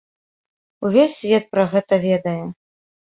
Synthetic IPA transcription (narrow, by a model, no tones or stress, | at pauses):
uvʲesʲːvʲɛt̪̚pɾɐɣɛt̪ɐvʲɛd̪ɐjɛ